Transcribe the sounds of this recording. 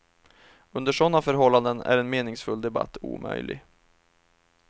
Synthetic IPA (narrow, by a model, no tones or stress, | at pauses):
ɵnd̪əʂɔnːafœɾɦɔlːand̪ənæ̰ɾɛnmeːnɪŋsfɵld̪ɛba̰t̪ʰːṵːmœ̰jlɪ̰ɡ